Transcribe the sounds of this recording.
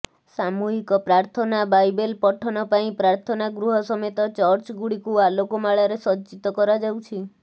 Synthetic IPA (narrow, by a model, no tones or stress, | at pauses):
samuɦikɔpɾaɾt̪ʰɔnabajbelpɔʈʰɔnɔpaĩpɾaɾt̪ʰɔnaɡɾuɦɔsɔmet̪ɔt͡ʃɔɾt͡ʃɡuɽikualokomaɭaɾesɔt͡ʃit̪ɔkɔɾad͡ʒawt͡ʃʰi